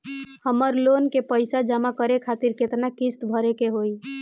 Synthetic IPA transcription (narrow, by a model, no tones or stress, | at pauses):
həməɾlonkepəjsad͡ʒamakəɾekʰat̪iɾket̪nakist̪bʱəɾekeɦoi